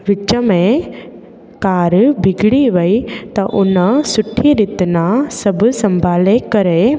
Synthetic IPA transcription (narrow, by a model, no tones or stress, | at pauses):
ʋɪt͡ʃəmẽ | kaːɾbʱɪɡɽiʋɐit̪ɐʔʊnəsʊʈʰːiɾɪt̪nasɐbʱsɐ̃mbʱaːlekɐɾe